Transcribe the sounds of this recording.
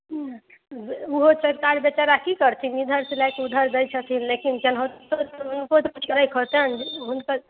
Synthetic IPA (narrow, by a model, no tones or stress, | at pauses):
uɦot͡ʃʰəkaɾbjet͡ʃaɾakikəɾt̪ʰinid̪ʱəɾsilajkud̪ʱəɾd̪əjt͡ʃʰət̪ʰinlekint͡ʃɛnɦot̪t̪ot̪unkot̪put͡ʃʰkəɾəjkʰot̪ɦɛnɦunkə